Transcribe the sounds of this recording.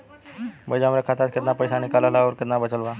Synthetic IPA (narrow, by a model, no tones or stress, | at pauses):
bəd͡ʑamɾekʰat̪atkit̪napəjsanikalalaɔɾkɪt̪nabət͡ʃəlʋa